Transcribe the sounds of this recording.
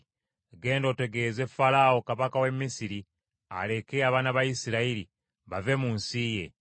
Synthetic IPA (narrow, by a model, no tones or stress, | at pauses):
ɡe̞ːndo̞te̞ɡe̞ːze̞falao̞kaβakawe̞mːisiɾi | a̰le̞keaβanaβajisiɾaiɾi | βave̞muːnsije̞̰